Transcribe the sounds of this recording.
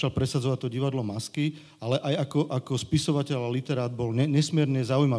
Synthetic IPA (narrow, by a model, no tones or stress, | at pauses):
alpɾɛsad͡zɔʋat̚t̪ɔɟiʋad̪lɔmaski | alɛʔajakɔʔakɔspisɔʋacɛʎalit̪ɛɾaːd̪̚bɔlɛɲɛsmɪɛɾɲɛzaujma